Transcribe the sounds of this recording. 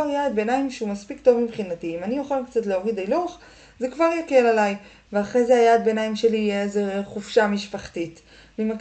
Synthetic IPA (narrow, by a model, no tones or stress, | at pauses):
aʁjaːd̪̚benaimʃeumaspikto̞vmibχinatiːmanijoχalkt͡satleoʁid̪aluχ | zekvaʁjake̞lalaj | veaχʁejzeajaːd̪̚benajimʃe̞lijezeχufʃamiʃpaχtit | mimak